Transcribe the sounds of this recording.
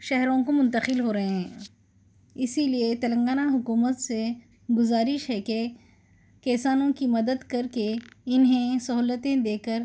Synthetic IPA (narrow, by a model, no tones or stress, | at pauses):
ʃɛɦɾõkomʊ̃nt̪əqɪlɦoːɾɐɦẽɦɛ̃ː | ɪsiliet̪ɐlə̃ŋɡaːnaɦʊkuːmət̪se | ɡʊzaːɾɪʃɦɛke | kɛːsaːnõkimɐd̪əd̪kɐɾkeɪnɦẽsɐɦuːlət̪ẽd̪eːkəɾ